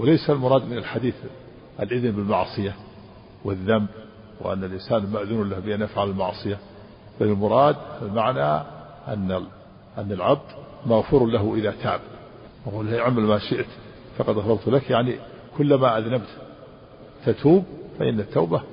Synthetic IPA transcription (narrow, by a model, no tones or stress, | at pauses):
wɪlajsalmʊɾˤɑːd̪mɪnalħad̪iːθ | ʔa̰lʔɪðnbɪlmɑʕsˤɨja | wɪðːamb | w̰ʔa̰nːalʔɪnsaːnmaʔðunʊnlahbɪʔanʔafʕalɪlmɑ̰ʕsˤɨja | b̥alɪlmʊɾˤɑːd̪almaʕna | ʔa̰nːa | ʔanːalʕab̚d̪ | maɣfʊɾlaɦʔɪðat̪ʰaːb̚ | naquːliʕamalmaʃɪʔt̪ | fɑqɑd̪ɣɑɾˤɑɾˤt̪lakjaʕni | kʊlːamaʔaðnabt̪ | t̪at̪ʰuːbfaʔɪ̰nːat̪ːawba